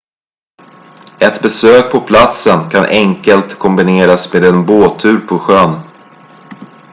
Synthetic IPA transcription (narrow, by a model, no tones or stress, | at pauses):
ɛt̪bɛsøːk̚pʰɔpʰlat̪sənkʰanʔɛŋkəlt̪kʰɔmbɪneːɾasmeːd̪ɛnboːt̪ʰʉ̟ːɾpʰɔɧœn